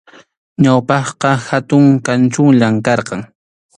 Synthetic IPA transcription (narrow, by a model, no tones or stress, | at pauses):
ɲawpɑχqɑhat̪ʊŋkant͡ʃʊŋʎamkɑɾqɑŋ